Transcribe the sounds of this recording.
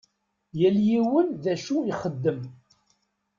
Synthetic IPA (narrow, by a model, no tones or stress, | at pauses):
jæljiwənðæʃuiχəd̪ːəm